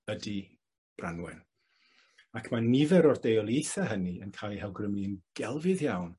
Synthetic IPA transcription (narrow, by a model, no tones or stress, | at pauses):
ədi | b̥ranwɛ̰n | akʰmanɪvɛɾɔrdejɔlˠjejθaɦəniənkʰaːlˠihɛlˠɡrɪmliənɡ̥ɛlˠvɨðjawn